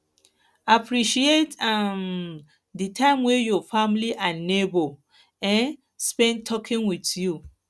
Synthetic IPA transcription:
apʰɾiʃietam | ditʰãɪ̃mwejɔfamliʔanebo | ɛ̃n | spɛ̃ntʰɔkʰɪ̃ŋwitju

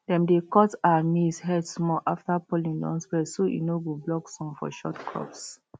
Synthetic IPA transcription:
d̥ɛ̃mdekɔtawanishɛdsmɔʔaftapɔlĩŋdɔ̰̃nswɛsoʔḭnoɡublɔksɔ̃mfɔ̰ʃɔtkʰɹɔ̰ps

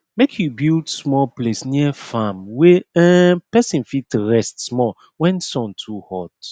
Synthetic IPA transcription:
mekʰjubildsmɔplesniəfamwɛɛpɛsĩnfitɹɛstsmɔ | wɛ̃nsɔ̃ntʰuhɔt

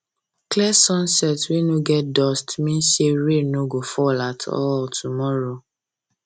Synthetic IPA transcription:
klɛsɔ̃nsɛtwinũɡɛdɔstmĩn̩ʃeɾenoɡofɔlatʰɔ̰tʰumɔɾo

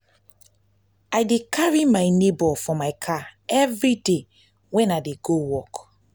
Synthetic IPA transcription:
ajdekʰaɹimajnebɔfɔmaɪkʰaɛvɹide | wɛ̃naɪdeɡowɔk

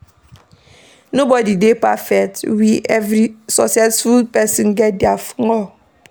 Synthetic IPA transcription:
nobɔdidepafɛktwiʔɛvɾisɔsɛsfulpɛsĩnɡɛt̚diafŋɔ

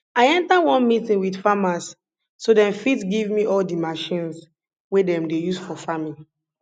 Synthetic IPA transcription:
aɪɛ̃ntawɔ̃nmitĩnwidfamasː | odɛ̃nfidsɡivmiʔɔldimaʃĩns | wedɛ̃mdejusfɔfamĩn

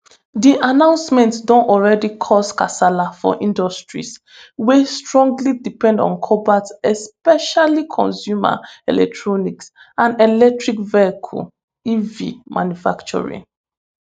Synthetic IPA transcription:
diʔanãʊ̃nsmɛ̃ntdɔ̃ntɔlɹɛdikʰɔskasalafɔ̰ʔĩndɔstɹḭs | westɹɔ̃ŋɡlidipɛ̃ndɔ̰̃nkʰɔbatɛspɛʃalikʰɔ̰̃nsjuma̰ɛ̰lɛ̰k̚tʰɹɔniks | ãnɛlɛk̚tɹikvɛkʰṵ | ivḭmʔã̰njufakt͡ʃɔ̰ɹḭ̃ŋ

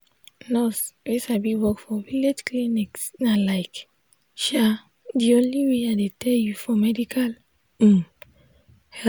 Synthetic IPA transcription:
nɔswisabiwɔkfɔviled͡ʒklĩniksnalaɪk | ʃa | diõnliweadetʰɛljufɹɔ̃mɛdikʰal̩ | hɛ

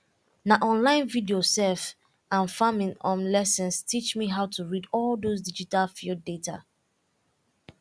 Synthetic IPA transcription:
naʔɔ̃nlãɪ̃nvidiosɛlf | ãnfamɪ̃ŋɔ̃nlɛsɛ̃nstʰit͡ʃmiɦaʊtʰuɹidɔldosdid͡ʒitalfildeta̰

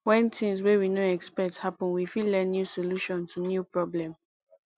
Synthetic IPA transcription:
wɛ̃ntĩmswewinoɛkspɛk̚thapɔ̃nwifillɛ̃nːjusoluʃɔ̃ntunjupɹɔblɛ̃m

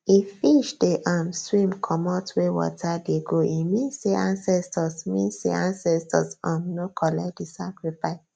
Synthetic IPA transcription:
ifiʃdeʔãmswĩmkʰɔmɔtwewɔ̰tʰadeɡoimĩnsseʔãnsɛstʰɔsmĩnsḛãnsɛstɔ̰sãmnokʰɔlɛdisakɹifaɪs

